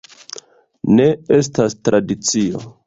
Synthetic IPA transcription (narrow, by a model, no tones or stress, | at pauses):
ne̞e̞s̬tastɾʔadit͡sio̞̰